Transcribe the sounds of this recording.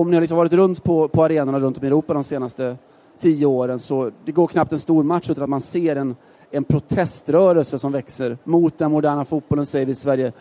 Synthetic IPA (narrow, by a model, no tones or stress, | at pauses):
ɔmnɪhaɾlɪksɔmvɑːɾɪt̪ɾɵnt̪pʰɔpʰɔaɾeːnaɳaɾɵnt̪ɔmɛɾuːpad̪ɔmseːnast̪ə | t̪ʰiːəoːɾənsɔd̪ɛɡoːɾkʰnap̚t̪ɛnst̪uːɾmat̪ʂʉt̪anat̪manseːɾɛn | ɛnpʰɾʊt̪ʰɛst̪ɾœːɾəlsəsɔmvɛksəɾmʊt̪̚d̪ɛnmʊd̪æːɳafut̪̚bɔlənsɛjəvɪsvæɾjə